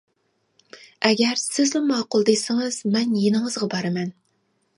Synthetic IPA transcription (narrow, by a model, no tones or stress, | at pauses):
ɛɡʲɛɾsɪzlɪmɑːqʊlˠd̪ɨjsɪŋɨz̥mɛnjenɨŋəzʁɑbɑɾɨmɛn